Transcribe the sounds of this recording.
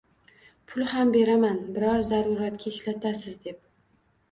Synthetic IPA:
pʰʊlˠhambe̞ɾamanbɪɾɒɾzaɾʊɾat̪̚kʲaɪʃlat̪ʰasɪzd̪e̞p̚

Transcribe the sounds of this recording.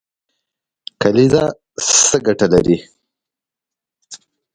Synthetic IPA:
kaliza | səɡaʈalaɾi

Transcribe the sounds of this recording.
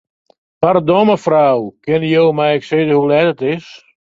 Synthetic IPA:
pardɔməfrawkɪnjowmɛjɛksɪːzəhulɛtətɪs

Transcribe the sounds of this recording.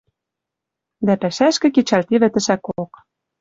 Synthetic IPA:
d̪æpæʃæʃkə̆ket͡ɕɑlt̪iβɘ̆t̪ə̆ʃækook

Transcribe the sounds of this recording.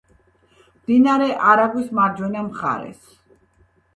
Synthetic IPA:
md̪inaɾɛʔaɾaɡwismaɾd͡ʒɛnamχa̰ɾɛ̰s

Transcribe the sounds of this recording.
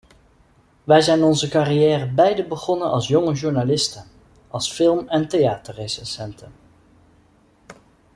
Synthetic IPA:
ʋɛjzɛjnɔnzəkarijɛːrəbɛjdəbəχɔnənɑ̰lˠsjɔŋəʒuɹnalɪstən | ʔɑlˠsfɪlˠmɛntejaːtəɹresɛsɛntən

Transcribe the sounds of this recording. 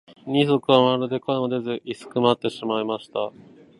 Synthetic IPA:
ɲ̟ʲiso̞kɯ̟βamaɾɯ̟d̪e̞koemod̪e̞zɨʔisɨ̥kɯ̟mat̪ːe̞ɕimaimaɕi̥t̪a

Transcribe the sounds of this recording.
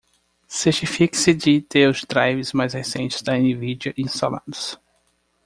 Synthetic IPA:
set͡ʃifiksɪd͡ʒit̪eʊsd̪ɾajvɪzmajzhesẽnt͡ʃɪ̥zd̪ɐẽnivid͡ʒiɐʔĩst̪ala̰d̪ʊs

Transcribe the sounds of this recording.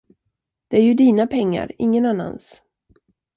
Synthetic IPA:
d̪̥ɛæɾjɵd̪iːnapʰɛŋːa̰ɾɪŋːənanːa̰ns

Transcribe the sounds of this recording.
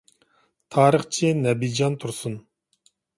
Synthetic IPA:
t̪ʰɑːɾəχt͡ʃʰinɛbid͡ʒɑnt̪ʰuɾsun

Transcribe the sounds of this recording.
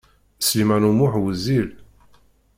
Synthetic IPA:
slimænumʊħwəzil

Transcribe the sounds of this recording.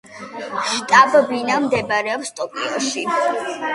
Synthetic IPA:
ʃt̪ʼabbinamd̪ɛbɾɛɔpst̪ʼɔpʼḭɔʃi

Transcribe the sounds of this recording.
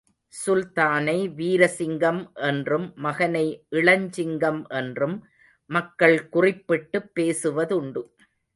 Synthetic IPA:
sʊlt̪aːnɐɪʋiːɾɐsɪŋɡɐmʔɛndrɯmːɐɣɐnɐɪʔɪɭɐɲd͡ʒɪŋɡɐmʔɛndrɯmː | ɐkːɐɭkʊrɪpːɪʈːɯpːeːsɯʋɐðʊɳɖɯ

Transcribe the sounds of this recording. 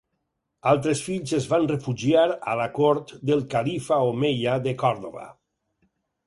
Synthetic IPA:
alˠt̪ɾesfiʎzezβanrefuʒiaɾa̰lakoɾt̪d̪elˠkalifaomeʎaðəkɔɾðoβa̰

